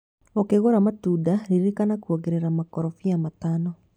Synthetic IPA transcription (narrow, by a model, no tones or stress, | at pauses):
okeɣoɾamatudaɾiɾekanakuoɣeɾeɾamakɔɾɔfiamatanɔ